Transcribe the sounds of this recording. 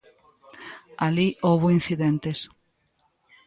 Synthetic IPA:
aliʔowβoin̟θiðent̪es

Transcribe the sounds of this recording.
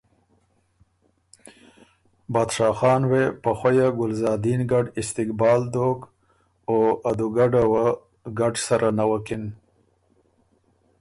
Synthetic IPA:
bɑːd̪ʂɑːxɑːnwepəxwajaɡʊlzɑːd̪inɡaɖɪst̪ɪkbɑːld̪ok | oad̪uɡaɖawa | ɡaɖsaɾʔanawakɪn

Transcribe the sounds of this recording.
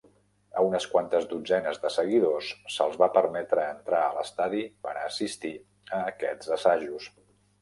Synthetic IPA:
əunəskwant̪əzd̪ud͡zɛnəzðəsəɣiðosːəlˠzβapəɾmɛt̪ɾəːnt̪ɾaələst̪aðipənəːsist̪i | əːkɛd͡zəsaʒus

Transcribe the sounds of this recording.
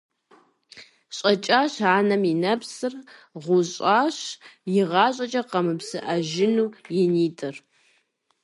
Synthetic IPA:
ɕʼɐt͡ʃʼaːɕaːnɐminɐpsɨrʁʷʊɕʼaːɕjɪʁɑːɕʼɐt͡ʃʼɐqɐmɨpsɨʔɐʒɪnuːjɪniːtʼɨr

